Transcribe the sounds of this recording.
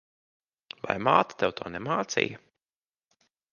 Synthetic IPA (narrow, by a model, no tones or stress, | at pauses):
va̰jmaːt̪ḁt̪ɛwt̪ɔːnɛmaːt̪sḭjɐ